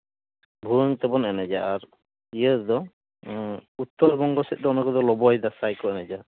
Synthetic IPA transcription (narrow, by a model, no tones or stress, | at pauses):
bʱuɔŋt̪ɛbɔnɛnɛd͡ʒaaɾ | ijɛd̪ɔ | ut̪ːɔɾbɔŋɡɔsɛt̪̚ˀd̪ɔɔnɔkɔd̪ɔlɔbɔjd̪asajkɔɛnɛd͡ʒa